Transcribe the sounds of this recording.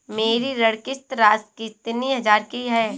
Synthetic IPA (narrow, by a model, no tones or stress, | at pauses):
meːɾiɾɐɽkɪst̪ɾaːskɪt̪niɦɐd͡ʒaːɾkiɦɛː